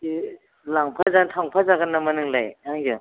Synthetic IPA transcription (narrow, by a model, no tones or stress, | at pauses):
i | laŋpʰazantʰaŋpʰazaɡanːamɐnɯŋlajaŋjɯ